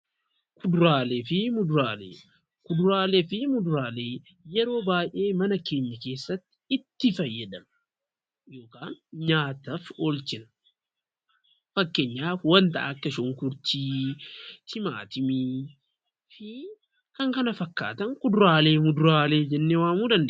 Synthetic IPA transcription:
kʰʊd̪ʊɾaːleːfɪmʊd̪ʊɾaːlḛː | kʊd̪ʊɾaːleːfɪmʊd̪ʊɾaːle̞ː | jɛɾo̞ːbaːjʔe̞ːmɐnɐke̞ːɲːɐke̞ːsːɐt̪ːɪ̥ɪt̪ːɪfɐjːɐᶑɐmɐ | jo̞ːkaːnɲaːt̪ɐfɔlt͡ʃɪnɐ̥ | fɐkːeːɲːaːfwɐnt̪ɐʔa̰ːkːɐʃɔŋkʊɾt͡ʃiː | t̪ʰɪma̰ːt̪ɪmiː | fɪ | kɐŋkɐnɐfɐkːa̰ːt̪ɐŋkʊd̪ʊɾaːleːmʊd̪ʊɾaːle̞ːd͡ʒɛnːeːwaːmuːd̪ɐnd̪eːʔ

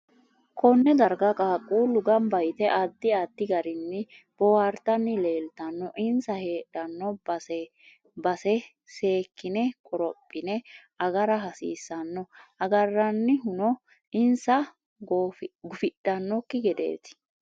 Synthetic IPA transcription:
kʰɔnːɛd̪ɐɾɡɐkʼaːkʼːuːlʊɡɐmbɐjt̪ɛʔad̪ːɪad̪ːɪɡɐɾɪnːɪ | b̥ɔwaɾt̪ːɐnːɪle̞ːlt̪ɐnːɔʔɪnsɐheːɗɐnːɔbɐsɛ | bɐsɛ | se̞ːkːɪnɛkʼɔɾɔpʼːɪnɛ | ɐɡɐɾɐɦɐsḭːsːɐnːɔʔɐɡɐrːɐnːɪɦʊnɔ | ɪnsɐ | ɡɡʊfɪɗ̥ːɐnːɔkːɪɡɛd̪ḛːt̪

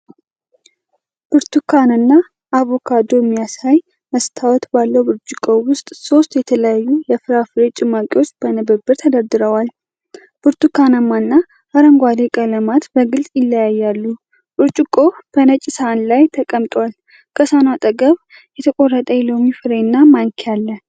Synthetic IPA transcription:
b̥ɨɾt̪ʰukʰanɨnːa | ʔːβokʰad̪o̞mːijasaj | məst̪ʰawɔt̪balːəwbɨɾt͡ʃʼɪkʼo̞wʊst̪ʼso̞st̪jɛt̪ʰələjajːujɛfɨɾafɨɾet͡ʃʼɪmakʼɪwot͡ʃːb̥ənəbəbːɨɾt̪ʰəd̪əɾd̪ɨɾəwal | b̥ɨɾt̪ukanəmanːa | haɾəŋɡʷad̪ekʼələmat̪bəɡɨlsʼjɪlːəjajːalːu | bɨɾt͡ʃʼɪkʼo̞b̥ənət͡ʃʼɪsəanlajt̪ʰəkʼəmt̪ʼwal | kʰəsanat̪ʼəɡəβ | jɛt̪ʰəkʼo̞rːət̪ʼəjlomifɨɾe̞nːamaŋkʰjalːə

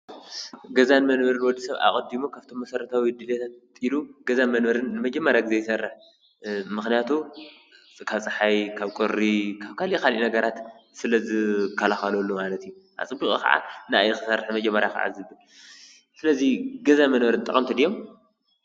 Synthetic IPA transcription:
ɡɐzanmɐnβɐɾɨnwɔd̪ːisɐβa̰kʼɐd̪imukʰaβt̪ʰo̞mːɐsɐɾɐt̪ʰawid̪ɨlet̪ʰat̪̚iluɡ̥ɐzanmɐnbɐɾɨnːɨmɐd͡ʒɐmːɐɾjaɡɨzejɨsɐrːɨħ | mɨxnijat̪ʰu | kʰaβt͡sʼɨħajkʰaβkʼoɾːikʰaβkʰaliʔikalʔinɐɡɐɾat̪sɨlɐzɨkʰːɐlaxɐlolːumalɐt̪ijuʔa̰t͡sʼɨbːikʼika̰ʕa̰na̰jɨxɨsɐrħmɐd͡ʒɐmːɐɾjakʰa̰ʕa̰zɨβɨl | sɨlɐziɡɐzamɐnβɐɾɨnt̪ʼɐχʼɐmt̪ʰɨd̪ijom

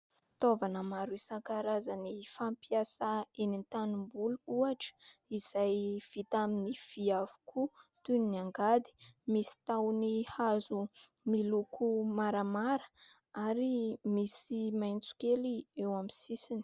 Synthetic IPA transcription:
fi̥t̪ovanəmaɾuisaŋkaɾazanifampiasaenint̪anumbuluuaʈ͡ʂə̥iz̥ajv̥it̪aminifiavu̥kʰut̪unniaŋɡad̪i̥misi̥t̪awnihazu | milukʰumaɾamaɾə̥ | aɾimisimajnt͡su̥keliewamisisini̥

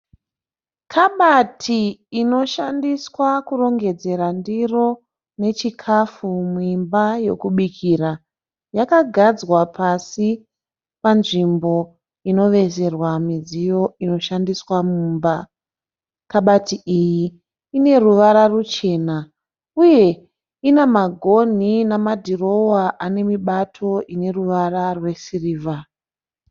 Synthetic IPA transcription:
kʰaɓatʰiːno̞ʃandiswakuro̞ŋɡe̞d͡ze̞ɾandiro̞ | ne̞t͡ʃikʰafumuimbaje̞kuɓikʰiːra | jakaɡʱad͡zwapʰasi | panʐimbo̞ | ino̞ʋe̞se̞rwamid͡zijo̞ino̞ʃandiswamumba | kaɓatiʔiji | ine̞ruʋaɾarut͡ʃe̞ːna | uje̞ | inamaɡʱo̞n̤inamadʱiro̞waʔane̞miɓatʰo̞ʔine̞ruʋararwe̞siriːva

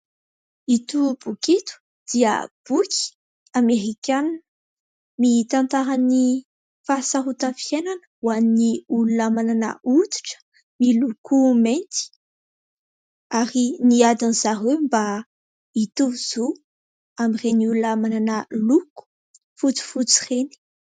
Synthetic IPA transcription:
it̪ubukit̪u̥ | d̪̥iə̰b̥ukʲʰi̥ | ameɾikʲan | mit̪ant̪aɾani | fasaɦut̪afienanə̥wanniulunamanana̰ʔut̪i̥ʈ͡ʂə̥ | milukument̪i̥ | aɾiniad̪anizaɦewmba | it̪uvuz̥o | amireniululamananaluku̥ | fut͡si̥fut͡si̥reni̥

